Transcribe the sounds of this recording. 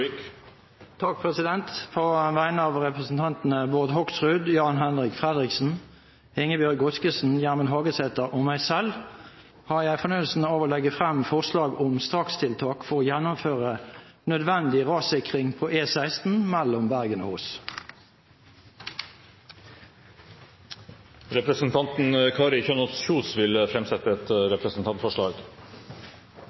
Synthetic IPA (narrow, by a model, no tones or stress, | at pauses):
t̪ʰɑk̚pʰʁɛsɪd̪ɛnt̪pʰoːʋæɪnəɑʋʁɛpʁəsn̩t̪ʰɑnt̪n̩əboʁd̪hɔksʁʉd̪jɑːnɦɛnʁɪkfʁɛd̪ʁɪksn̩ | ɪŋːəbjœɡʊskəsn̩jæʁmənɦɑːɡəsɛt̪əʁʔɔmæɪsɛl | hɑʁjæɪfɔnyəlsn̩ɑːʋoːlɛɡəfʁɛmfɔʁslɑːɡɔmst̪ʁɑkst̪ʰɪlt̪ʰɑːkfɔʁoːjɛnːʊmføːʁənœd̪ʋɛnd̪ɪʁɑːsɪkʁɪŋpʰoːʔeːsæɪst̪n̩mælɔmbæʁɡəno̰hoːs | ɾɛpɾəsn̩t̪ʰɑnt̪n̩kʰɑːɾɪçønɔsçuːsʋɪlfɾɛmsɛt̪əɛt̪ɾɛpɾəsn̩t̪ʰɑnfɔʂɭɑːɡ